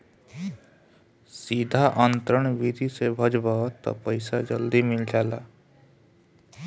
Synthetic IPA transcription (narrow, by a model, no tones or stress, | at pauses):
siːd̪ʱaʔə̃nt̪ɾəɽ̃ʋɪd̪ʱisebʱəd͡ʒbat̪ɔ̰pəɪsad͡ʒəld̪imɪld͡ʒaːlaː